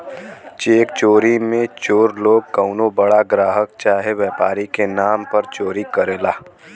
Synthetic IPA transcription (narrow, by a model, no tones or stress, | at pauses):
t͡ʃeːkt͡ʃoːɾimẽt͡ʃoːɾloːɡ̚kəʊnobəɽaɡɾaːɦək̚t͡ʃaːɦeʋɛːpaːɾikenaːmpəɾt͡ʃoːɾikəɾeːlaː